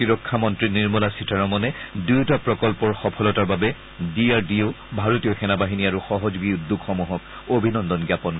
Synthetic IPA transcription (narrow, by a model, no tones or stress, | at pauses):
tiɹɔkʰːamɔntɹiniɹmulasitaɹɔmɔnɛdujtapɹɔkɔlpɔɹxɔpʰɔlɔtaɹbabɛ | diaɹdiʊ | bʱaɹotiɔxɛnabaɦiniaɹuxɔɦɔzɡiuddʱukʰːɔmuɦɔk̚ | obʱinɔndɔnɡjapɔn